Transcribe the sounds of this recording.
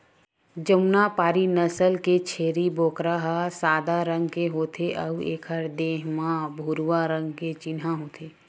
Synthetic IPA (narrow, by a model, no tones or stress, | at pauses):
d͡ʒəmnapaːɾinəsəlket͡ʃʰeːɾiboːkɾaɦasaːd̪aɾə̃ŋɡkeɦoːt̪ʰeʔəuḛːkʰəɾd̪eːɦmãbʱuɾwaɾə̃ŋɡket͡ʃɪnɦãɦoːt̪ʰeː